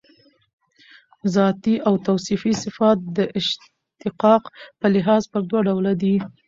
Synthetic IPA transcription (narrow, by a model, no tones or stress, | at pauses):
zɑt̪iʔawt̪awsifisɪfɑt̪̚d̪əʔɪʃ | t̪ɪqɑqpəlɪɦɑzpəɾd̪waɖawlad̪i